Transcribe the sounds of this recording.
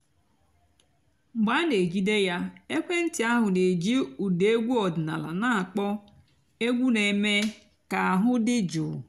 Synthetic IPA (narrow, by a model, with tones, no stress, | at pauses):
ɡ͡ba˦ne˨d͡ʒi˦de˦ja˦e˦kʷe˦n̩˦tɪ˨a˦ɦʊ˨ne˨d͡ʒi˦u˨de˨e˦ɡʷu˦ɔ˨dɪ˨na˨la̰˨na˦a˨k͡pɔ˦ | e˦ɡʷu˦ne˨me˦ | ka˨a˨ɦʊ˦dɪ˦d͡ʒʊ˨